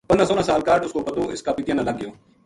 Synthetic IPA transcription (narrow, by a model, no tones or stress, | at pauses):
pənsɔːlãːsaːlkaːɾʈʊskoːpət̪oːʔɪ̰skaːpɪt̪jãːnãːləɡːɪjoː